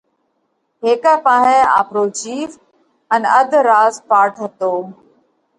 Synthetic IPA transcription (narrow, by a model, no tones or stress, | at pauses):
ɦeːkapãːɦɪ̃a̰ːpɾoːt͡ɕiːf | ənəd̪ʱɾaːzpaːɾʈɦət̪oː